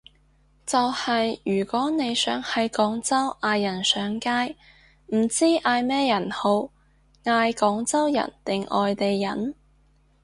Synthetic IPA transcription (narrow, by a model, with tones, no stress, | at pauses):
t͡sɐ˨whɐ˨jjyː˨˩kʷɔː˨˥ne˨˧jsœː˨˥ŋhɐ˨jkɔː˨˥ŋt͡sɐ˥wʔaː˧jːɐ˨˩nsœː˨˧˥ŋkaː˥j | m̩˨˩t͡siː˥ʔaː˧jmɛː˥jɐ˨˩nho˨˧w | ŋaː˧jkɔː˨˥ŋt͡sɐ˥wjɐ̰˨˩nt̪ɪ˨ŋʔɔ̰ː˨jt̪e˨jːɐ˨˥n